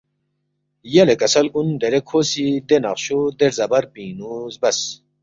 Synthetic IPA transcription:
jɐlekɐsɐlkund̪eɾekʰoːsid̪enaχɕod̪eɾzɐbɐɾpĩːnuzbɐs

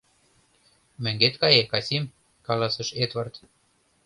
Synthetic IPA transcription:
mɘ̆ŋɡet̪kɑjekɑsʲim | kɑlɑsə̆ʃed̪vɑrt̪

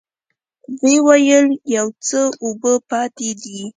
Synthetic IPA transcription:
wəwajəljawt͡səobəpɑt̪ed̪i

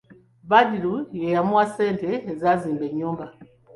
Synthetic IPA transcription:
βadilujɛjamwasɛntɛːzazimbɛɲɔmba

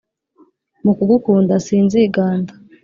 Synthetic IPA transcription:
mukuɡukuːndasiːnziɡaːndḁ

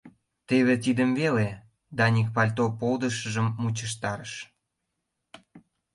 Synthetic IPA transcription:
t̪eβet̪id̪əmvele | d̪ɑnʲik̚pɑlʲt̪opold̪əʃəʒəmːut͡ɕəʃt̪ɑɾəʃ

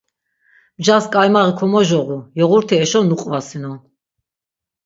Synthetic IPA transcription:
md͡ʒaskʼajmaʁikʰɔmɔʒɔʁujɔʁuɾt̪ʰiɛʃɔnuqʼvasinɔ

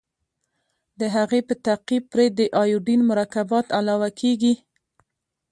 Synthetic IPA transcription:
d̪əɦaɣepət̪aqib̚pɾed̪əʔɑjuɖinmʊɾɑkabɑt̪alɑwakʰeɡi

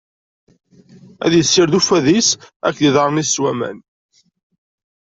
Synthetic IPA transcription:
æ̰ðjəsːɪɾðufæðisækːðiðɑɾˤniswæmæ̰n

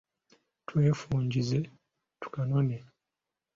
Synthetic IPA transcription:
twe̞ːfuːɲɟize̞ | tu̥kanone

